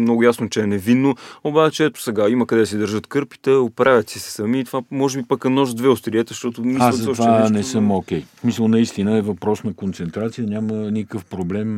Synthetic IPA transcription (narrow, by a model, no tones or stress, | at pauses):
mnɔɡʊjasnoʊt͡ʃɛɛnɛvinːoobat͡ʃɛɛt̪ʊ̥sɛɡaiməkɐd̪ɛsɛd̪əɾʒɤt̪kɤɾpi̥t̪ɛopɾʔavʲjət̪sisɛ̥sɐmiːt̪ovamɔʒɛbipəkɐnɔʒd̪vɛost̪ɾiɛt̪ɛʃt̪ɔt̪ʊmialˠt̪zɐɔvanɛsəmokʲɛjsmisəlˠnɐist̪inəɛvɐpɾɔsnɐkont̪sɛnt̪ɾat̪sijənʲamənikəfpɾoblɛm